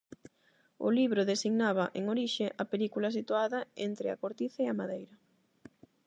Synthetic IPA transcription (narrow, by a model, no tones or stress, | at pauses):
ʊ̰liβɾʊðesiɣnaβ̞ɐʔeŋoɾiʃeʔɐpelikulɐsit̪uaðɐent̪ɾɪa̰koɾt̪iθaeɐmaðejɾɐ